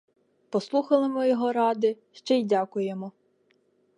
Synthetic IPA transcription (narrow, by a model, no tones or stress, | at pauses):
pɔslˠuxɐlˠɪmɔjɔɦɔɾɑd̪ɪ | ʃt͡ʃɛjdʲɑkʊjemɔ